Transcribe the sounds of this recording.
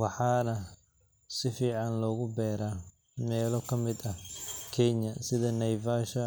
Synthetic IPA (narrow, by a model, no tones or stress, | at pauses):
wɑħɑːnɐ | sɪfiːʕɑnlɔːɣʊbɛːɾaː | mɛːlɔkʰɐmɪd̪ɐhkʰɛɲɐsɪðɐnɐjvaːʃɐ